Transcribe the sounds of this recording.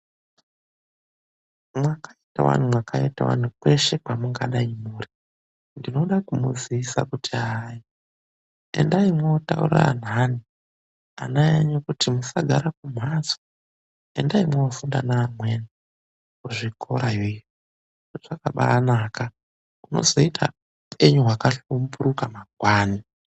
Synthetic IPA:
mwakaitawa̰n̤umwakaita̰wa̰n̤ukwe̞ʃe̞kamuŋɡaɗaimuːri | ndino̞ɗakumuziisa̰kutiai | e̞̰ndaimweotaṵra̰n̤ani | a̰najaɲokutimusaɡʱaɾak̚um̤aso̥ | e̞ndaimweofundanaːmwe̞ni | uʐikʰo̞ɾajoijo | ʐoʐakaɓa̰naːka | uno̞̰zo̞itʰa̰ | upʰe̞ɲuɦwakaɬumbuɾukamakwaːni

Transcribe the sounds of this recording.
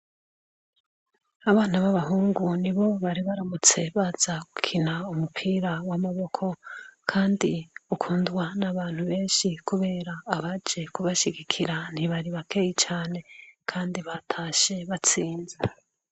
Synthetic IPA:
aβaːnaβaβaɦuːŋɡuniβo̞βaɾiβaɾamut͡se̞βaz̥aɡukʰinaumupʰiːɾawamaβo̞kʰo̞kʰaːndiukʰuːndwanaβaːn̥huβe̞ːnʃikuβe̞ːɾaːβad͡ʒe̞kuβaʃiɡikʰiɾan̥hiβaɾiβakʰe̞ːjit͡ʃaːne̞kʰaːndiβatʰaːʃe̞βat͡siːnze

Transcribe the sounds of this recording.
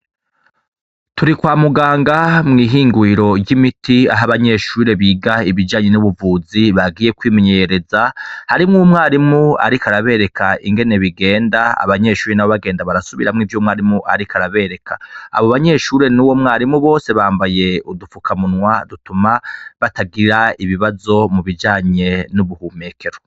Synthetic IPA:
tuɾikwaːmuɡaːŋɡamŋiːɦiːŋɡwiɾo̞jimitʰia̰ɦaβaɲe̞ʃuːɾe̞βiɡaiβid͡ʒaːɲe̞nuβuvuːziβaɡiːje̞kwiːmeɲejeɾe̞zahaɾimŋumŋaːɾimua̰ɾikaɾaβe̞ɾe̞kʰaiŋɡe̞ne̞βiɡe̞ːndaa̰βaɲe̞ʃuːɾenaβoβaɡeːndaβaɾasuβiɾamŋivjuːmŋaɾimuʔa̰ɾikaɾaβe̞ɾe̞kʰa̰a̰βoβaɲe̞ʃuːɾe̞nuːwo̞mŋaːɾimuβo̞ːse̞βaːmbaje̞udufukʰamunŋwadutumaβataɡiɾaiβiβazo̞muβid͡ʒaːɲe̞nuβuhuːme̞ːkʰe̞ɾo

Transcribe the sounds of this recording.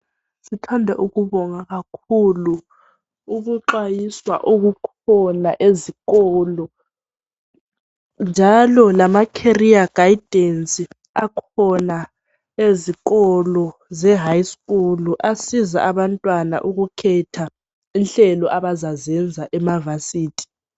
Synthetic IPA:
sitʰandʱɛ̰ʔuɣuβɔŋaɣakʰuluː | ɣuǃajiswa̰ʔuɣukʰ | ɔnaʔeziɣɔlɔ | nd͡ʒʱalɔlamakʰeriaɡ̥ajd̥ʱensʼi | akʰɔna | eziɣɔlɔzɛɦajskʼuluʔasiza̰ʔaβantʼwana̰ʔuɣukʰɛtʰa | inɬɛlɔʔaβazazɛnd͡zʱaʔɛmavasiːtʰʼi̥

